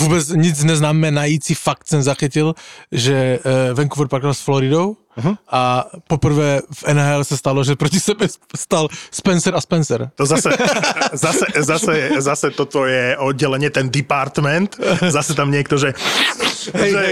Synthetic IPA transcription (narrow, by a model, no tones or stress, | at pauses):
vuːbɛd͡zɲid͡zɲɛznaːmɛnajit͡sifakt̪sɛnzaxicilʒɛʋɛŋkɔʋɔɾpaɾkalsflɔɾid̪ɔʊ | ʔapɔpr̩ʋɛːfɛnaːɛlɛsast̪alɔʒɛpɾɔcisɛbɛst̪alspɛnsɛɾaspɛnsɛɾt̪ɔzasɛzasɛzasɛɛzasɛt̪ɔt̪ɔjɛɔd̪̚ɟɛlɛɲɪɛt̪ɛnd̪ipaɾt̪mɛnt̪zasɛt̪amɲɪɛkt̪ɔʒɛ | ɦɛjʒɛ